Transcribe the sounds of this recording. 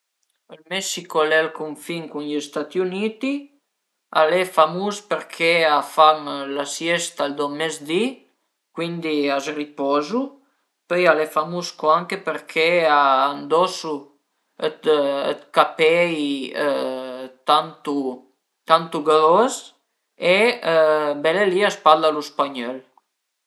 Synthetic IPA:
əlmɛsikolɛlkuɱfiŋkunʎist̪at̪iunit̪i | a̰lefamuspəɾkʰeafamlasjɛst̪ald̪omɛzd̪i | kwind̪iasripɔzu | pøjalefamuskoaŋkepəɾkʰeaːnd̪ɔsu | ət̪ə̰t̪kapɛj | t̪ant̪u | t̪ant̪uɡalɔs | e | bɛleliaspalaluspaɲɔl

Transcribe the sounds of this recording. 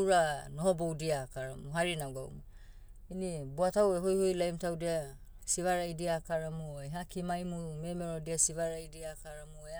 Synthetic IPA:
ɾanoɦobowdiaːkaɾamuɦaɾinaɡa̰w̰ma | inibuataweɦojhojlajmtawdia | siβaɾaidiakaɾamueɦakimajmumemeɾodiasiβaɾaidiakaɾamuea

